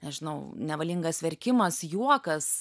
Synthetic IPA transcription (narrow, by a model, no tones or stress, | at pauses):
nʲɛʒʲɪnɐʊnʲɛʋɐlʲiŋɡɐsʋʲɛɾʲkʲɪmɐsjuɔkɐs